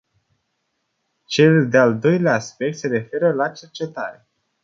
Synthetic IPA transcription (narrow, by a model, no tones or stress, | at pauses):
t͡ʃe̞ld̪eald̪o̞jleaːspe̞k̚t̪se̞ɾe̞fe̞ɾəlat͡ʃe̞rt͡ʃe̞t̪aɾe̞